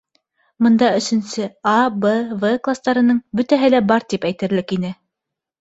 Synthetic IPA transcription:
mɤ̆nd̪ɑɵ̆sɘ̆nsɘabɤvɤklˠast̪ɑɾɤ̆nɤɴbɵ̆t̪æɦɘlæbɑɾt̪ipæjt̪ɘ̆ɾlɘkinɘ

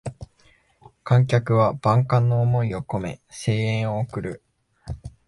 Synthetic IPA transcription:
kãŋk̬ʲakɯ̟βab̥ãŋkãnːo̞ːmo̞io̞ko̞me̞̰se̞ːẽɰ̃oːkɯ̟ɾɯ̟

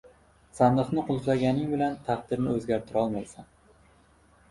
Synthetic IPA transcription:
sand̪ɨχnɪqʰʊlˠzlaɡʲanɪŋbɪlant̪ʰɑχd̪ɪɾnɪɵzɡʲaɾt̪ʰɪɾɒlˠmajsan

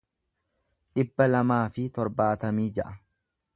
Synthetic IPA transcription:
ᶑɪbːɐlɐmaːfɪt̪ɔɾbaːt̪ɐmiːd͡ʒɐʔɐ

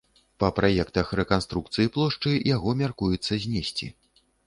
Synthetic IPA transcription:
pɐpɾajɛkt̪ɐxrɛkanst̪ɾukt̪sɨjiplˠɔʂt͡ʂɨjjaɣɔmʲarkujɛt̪sːɐzʲnʲesʲt͡sʲḭ

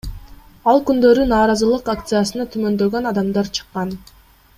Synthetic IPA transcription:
ɑlˠkynd̪ø̞ɾynɑːɾɑzɯlˠɯqakt̪sɨjasɯnɑt̪ʰymø̞nd̪ø̞ɡønɑd̪ɑmd̪ɑɾt͡ʃʰɯ̥qːɑn

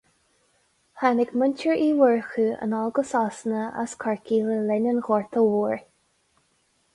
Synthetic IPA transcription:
hanɪɡməntʰəɹiːwəɹxʉə̰nɔlɡəsasənəə̰skʰaɹkiːləlɛnənɣɔɹt̪ʰəwuːɹ

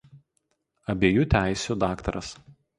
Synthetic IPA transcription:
ɐbʲeːjuːt̪ʲæˑɪsʲuːd̪ɑːkt̪ɐɾɐs

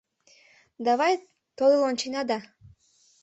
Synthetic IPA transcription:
d̪avaj | t̪ojlˠont͡ʃinad̪a

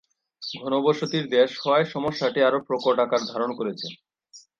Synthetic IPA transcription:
ɡʱɔnoboʃot̪iɾd̪eʃhɔeʃɔmoʃaʈiaɾopɾokoʈakaɾd̪ʱaɾonkoɾet͡ɕʰe

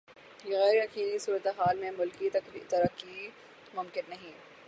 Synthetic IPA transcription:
jeɣɛːɾɐkiːlisuːɾət̪eɦaːlmẽmʊlkit̪ɐɾəkːi | mʊmkɪnːɐɦĩː

